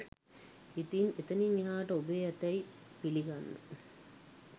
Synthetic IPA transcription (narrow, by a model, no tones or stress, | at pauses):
it̪inet̪ɐniniɦaːʈɐubejɐt̪ɐjpiliɡanːṵ